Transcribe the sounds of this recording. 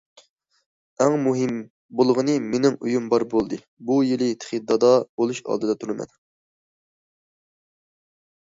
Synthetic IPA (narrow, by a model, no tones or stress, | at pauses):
æŋmuɦɨm | bolˠʁənɨmenɪmujumbɑɾbolˠd̪ɨ | bujilɪt̪ʰɪ̥χid̪ːɑd̪ɑbolˠuʃɑ̰lˠd̪ɨd̪ɑt̪ʰuɾɨmɛ̰n